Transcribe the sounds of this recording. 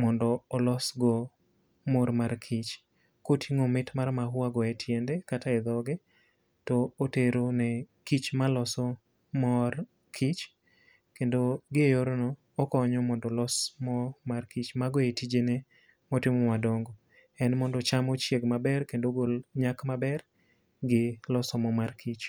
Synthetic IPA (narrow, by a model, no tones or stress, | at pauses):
mɔndɔːlɔsɡɔ | moɾmarkʰit͡ʃ | kotʰiŋomɪtmarmaɦwaɡɔɛtʰjendekataɛd̪ɔɡɛ | tɔːteɾonɛkit͡ʃmalɔsɔ | mɔr | kʰit͡ʃ | kendoɡɪjoɾonɔː | kɔɲɔmɔndɔlɔsmɔmarkit͡ʃmaɡɔetid͡ʒene | mɔtɪmɔmadɔŋɡɔ | ɛnmɔndɔt͡ʃamɔt͡ʃjeɡmabɛrkendoɡolɲakmabɛr | ɡɪlɔsɔmɔmarkʰit͡ʃ